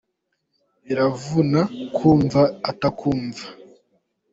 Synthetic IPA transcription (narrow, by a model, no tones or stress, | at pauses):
iɾavunakʰuːɱvaːtakʰuːɱva